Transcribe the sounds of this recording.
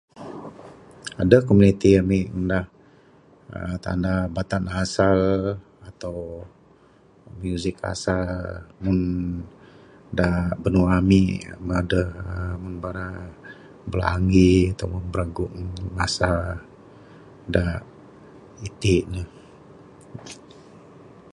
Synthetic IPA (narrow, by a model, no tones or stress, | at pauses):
adəkomunit̪iamiəndah | ə̰t̪a̰ndabat̪anɦasal | at̪aw | mjuzɪka̰salmun | dabənuamḭmadəhəmunbaɾa | bəla̰ŋɡiat̪awmənbəɾaɡʊʔmasa | da | it̪inəh